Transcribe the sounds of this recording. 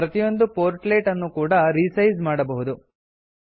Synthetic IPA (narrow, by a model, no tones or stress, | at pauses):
pɾɐt̪ijo̞nd̪upoːɾʈleːʈɐnːukuːɽɐɾisɐjzmaːɽɐbɐɦud̪u